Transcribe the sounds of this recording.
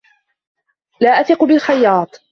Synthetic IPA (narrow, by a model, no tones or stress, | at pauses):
laːʔaθɪqʊbɪlxɑjːɑːt̪ˤ